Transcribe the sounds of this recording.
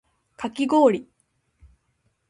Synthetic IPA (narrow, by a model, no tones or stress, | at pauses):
kʰakʲiɡo̞ːɾʲi